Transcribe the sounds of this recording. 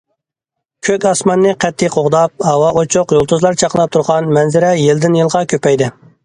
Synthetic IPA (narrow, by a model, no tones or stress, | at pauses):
kʲʰøkʲɑsmɑnːɨqʰɛt̪ʰːiqʰoʁd̪ɑp̚hɑwɑʔot͡ʃʰʊqjolˠt̪ʰuzlˠɑɾt͡ʃʰɑqlˠɑp̚t̪ʰuɾʁɑnmɛnzɪɾɛjeld̪ɪnjilˠʁɑkʲʰøpɛjd̪ɪ